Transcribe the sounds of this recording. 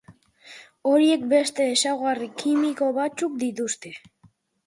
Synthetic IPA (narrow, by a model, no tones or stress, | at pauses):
o̞ɾie̞kbe̞st̪e̞ːsawɣarikʰimiko̞βat͡suk̚d̪it̪ust̪e